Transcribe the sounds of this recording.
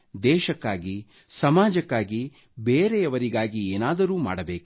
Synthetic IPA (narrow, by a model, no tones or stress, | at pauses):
d̪ɛːʃɐkːaːɡi | sɐmaːd͡ʒɐkːaːɡi | beːɾeɐʋɐɾiɡaːɡieːnaːd̪ɐɾuːma̰ːɽɐbeːku